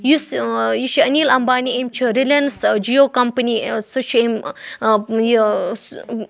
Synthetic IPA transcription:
jusjuʃiɐnilɐmbaːniemt͡ʃʰəɾilɐnsd͡ʒiokɐmpənisot͡ʃem | j

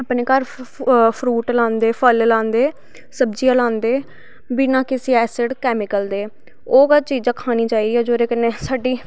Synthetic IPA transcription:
apneːkaɾpʰɾuːʈlãːnd̪eːpʰəllãːnd̪eː | səbd͡ʒiaːlãːnd̪eː | biːnãːkɪsiːɛːseɖkɛːmɪkəld̪eː | oːɡat͡ʃiːd͡ʒãːkʰaːniːt͡ʃaːiːd̪iːɛːd͡ʒoːɾeːkɪneːsaːɖiː

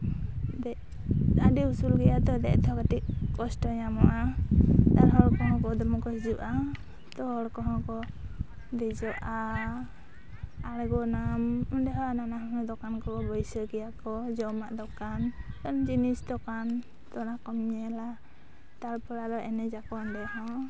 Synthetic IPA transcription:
d̪ɛ | aɖiusulɡɛjad̪ɔd̪ɛʔt̪ʰɔkaʈiʔ̚kɔsʈɔɲamɔʔat̪aɾɦɔɽkɔɦɔ̃kɔd̪ɔmɔkɔɦid͡ʒuʔa | t̪ɔhɔɽkɔɦɔ̃kɔ | d̪ɛd͡ʒɔʔa | aɽɛɡɔnamɔndɛɦɔananaɦɔ̃ɔd̪ɔkankɔɔbɔjsəɡɛjakɔd͡ʒɔmaʔd̪ɔkant̪ɔnd͡ʒinisd̪ɔkan | t̪ɔnakɔmɲɛla | t̪alpɔɽad̪ɔʔɛnɛd͡ʒakɔɔndɛɦɔ̃

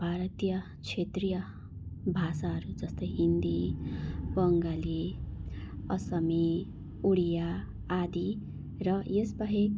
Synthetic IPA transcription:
bʱaɾʌt̪ijʌ | t͡sʰet̪rijʌ | bʱasaɦʌɾud͡zʌst̪ʌjɦind̪i | bʌŋɡali | ʌsʌmi | uɽijaː | d̪i | rʌjesbaɦek

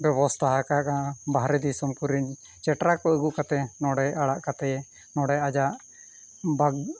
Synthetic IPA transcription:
bjɛbɔst̪ʰaɦakakabaɦɾɛd̪isɔmkuɾiɲ | t͡ʃɛʈɾakɔəɡukat̪ɛnɔɽɛaɽaʔkat̪ɛjɛ | nɔɽɛad͡ʒaʔ | baɡ

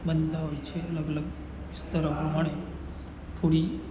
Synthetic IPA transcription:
bənd̪ʱaʋajt͡ɕeələɡələɡ | ʋist̪əɾəmuɦaɽ̃e | fʰoɽiː

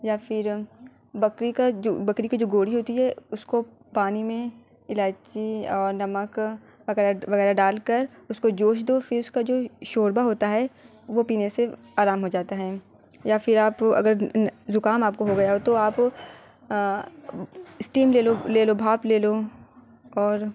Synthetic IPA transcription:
jaːfɪɾ | bɐkɾikad͡ʒobɐkɾikid͡ʒoːɡoːɽiɦoːt̪iɦɛʊsko | paːnimẽ | ɪlaːt͡ʃiɔːɾnɐmək | ʋɐɣɛːɾaʋɐɣɛːɾaɖaːlkɐɾʊskod͡ʒoːʃ̬d̪ofɪɾʊskad͡ʒoːʃoːɾbaɦoːt̪aɦɛ | ʋopiːnese | aːɾaːmɦod͡ʒaːt̪aɦɛː | jafɪɾaːpɐ̰ɡəɾzʊkaːmaːp̚koɦoɡɐjaɦot̪oaːp | ɪsʈiːmleːloleːlobʱaːpleːlo | ɔːɾ

